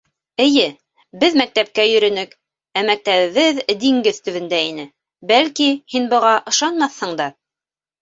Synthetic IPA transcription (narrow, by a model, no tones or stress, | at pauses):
ɘ̆jɘ | bɘðmæk̚t̪æp̚kæjɵ̆ɾɵ̆nɘk | æmæk̚t̪æβɘ̆βɘðd̪iŋɡɘðt̪ɵ̆βɘ̆nd̪æinɘ | bælkihinbɤ̆ʁɑʔɤ̆ʃɑnmɑθhɤɴd̪ɑ